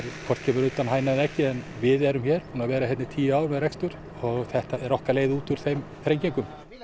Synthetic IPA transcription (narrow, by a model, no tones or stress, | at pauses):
ɾkʰvɔr̥t̪cʰɛːmʏɾʏt̪anɦaːjnanɛhcɪɛnvɪðɛɾʏmçɛːɾ̥puːnavɛːɾahɛt̪nɪt̪ʰiːjaːwɾmɛðrɛkst̪ʏɾ̥ | ɔɣθɛht̪aɛɾɔhkaleːjðɪuːt̪ʏɾ̥θejm | fɾejɲcejŋkʏm